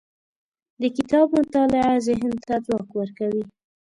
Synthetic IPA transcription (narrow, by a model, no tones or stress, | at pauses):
d̪əkɪt̪ɑbmʊt̪ɑlɪazeɦɪnd̪̚t̪ad͡zwɑkwəɾkawi